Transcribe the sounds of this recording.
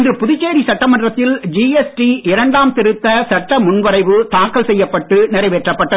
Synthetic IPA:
ndrɯpʊðɪt͡ʃːeːɾisɐʈːɐmɐndrɐt̪ːɪld͡ʒiːɛsʈiɪɾɐɳɖaːmt̪ɪɾɯt̪ːɐsɐʈːɐmʊnʋɐɾɐɪʋɯt̪aːkːɐlsɛjːɐpːɐʈːɯnɪɾɐɪʋeːʈrɐpːɐʈːɐ

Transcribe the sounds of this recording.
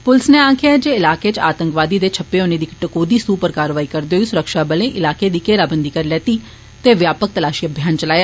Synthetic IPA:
pʊlsneːaːkʰɪaːd͡ʒeːɪlaːkeːt͡ʃa̰ːt̪ə̃ŋkʋaːd̪iːd̪eːt͡ʃʰəpːeːonẽːd̪iːkʈəkoːd̪iːsuːpəɾkaːɾʋaːiːkəɾd̪eoːisʊɾəkʃaːbəlẽːʔɪlaːkeːd̪iːkeːɾaːbənd̪iːkəɾlɛːt̪iː | t̪eːʋjaːpək̚t̪əlaːʃiːəbʱjaːnt͡ʃəlaːjaː

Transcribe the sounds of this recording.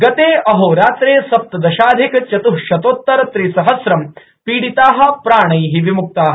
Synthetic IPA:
ɡɐt̪eːɐɦoːɾaːt̪ɾeːsɐp̚t̪ɐd̪ɐʃaːd̪ʱikt͡ʃɐt̪uɦʃɐt̪oːt̪ːɐɾɐt̪ɾisɐɦɐsɾɐm | piːɽit̪aːɦɐ̆pɾaːɳ̃ɐjɦiʋimuk̚t̪aːɦɐ

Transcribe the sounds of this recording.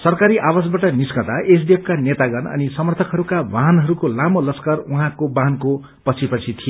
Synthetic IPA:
sʌrkaɾiʔawasbaʈʌniskʌt̪aʔes̬d̪ep̚ʰkanet̪aɡʌnʌ̰nisʌmʌrt̪ʰʌkɦʌɾukabʱaɦʌnɦʌɾukolamolʌskaruɦãkobaɦnko | pʌt͡sʰipʌt͡sʰit̪ʰije

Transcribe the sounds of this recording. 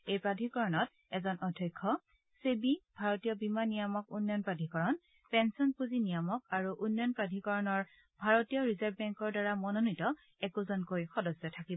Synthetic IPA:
ejpɹadʱikɔɹɔnɔt | ɛzɔnʔɔdʱɔjkʰːɔ | sebib̥ʱaɹɔtijɔbimanijɔmɔk̚unːjɔnpɹadʱikɔɹɔn | pɛnsɔnpuzinijɔmɔkaɹuʔunːɔnpɹadʱikɔɹɔnɔɹ | bʱaɹɔtijɔɹizaɹbbɛŋkɔɹdaɹamɔnonitɔ | ɛkuzɔnkojxɔdɔsɛtʰakibɔ

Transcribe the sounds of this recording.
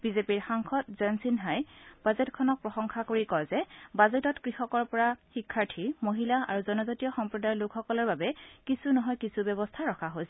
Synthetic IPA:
b̥izepiɹxaŋxʰɔtzɛnsinɦajb̥azɛtkʰɔnɔk̚pɹɔxɔŋxakoɹikɔzɛbazɛtɔtkɹixɔkɔɹpɔɹaxikʰːaɹtʰimoɦilaa̰ɹuzɔnɔzatijɔxɔmpɹɔdajlʊkʰxɔkɔlɔɹbabɛkisunɔɦɔjkisubjɔβɔstʰaɹɔkʰaɦojsɛ

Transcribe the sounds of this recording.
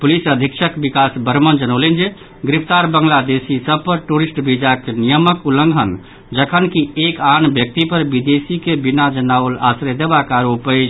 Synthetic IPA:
pulisəd̪ʱikʃʰəkbikasbəɾmənd͡ʒənəlind͡ʒe | ɡɾipʰt̪aɾbəŋɡlad̪esisəb̚pəɾʈuɾisʈbʱid͡ʒakenijəməkuləŋɡʱən | d͡ʒəkʰənkiekanbjək̚t̪ipəɾbid̪esikebinad͡ʒənaʊla̰sɾed̪ebakaɾupəd͡ʒ

